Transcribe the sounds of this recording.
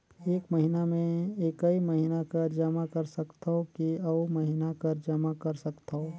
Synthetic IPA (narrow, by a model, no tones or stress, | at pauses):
eːkmɐɦinamẽeːkɐimɐɦinakɐɾd͡ʒɐmakɐɾsɐkt̪aɦokiɐmɐɦinakɐɾd͡ʒɐmakɐɾsɐkt̪aɦoː